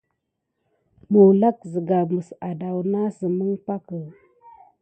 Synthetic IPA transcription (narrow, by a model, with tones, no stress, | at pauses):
mu˨la˦k̚zə˨ɡa˨mə˨sa˨da˨wna˦sə˨mə˦ŋpa˦kə˨